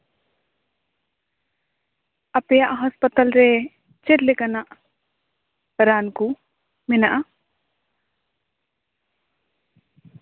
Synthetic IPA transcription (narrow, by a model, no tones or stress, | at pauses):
ɐpejaʔɦɐspət̪əlɾe | t͡ʃɪɾlɪkanaʔ | ɾaːnku | mɪnaʔa